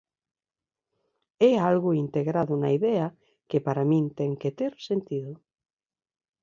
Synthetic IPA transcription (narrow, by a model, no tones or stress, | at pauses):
ɛalɣʊint̪eɣɾaðʊnaiðɛa | kepaɾamĩnt̪ɛŋket̪eɾsent̪iðʊ